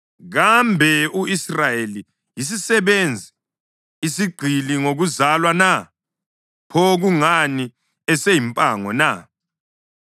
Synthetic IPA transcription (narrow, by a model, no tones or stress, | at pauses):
ɣambʱɛuisrajeli | jis̬isɛβend͡zʱiː | siɡ͡ǀʱiliŋoɣuzalwana | pʰɔɣuŋani | ɛsejimpʼaŋɔ̰na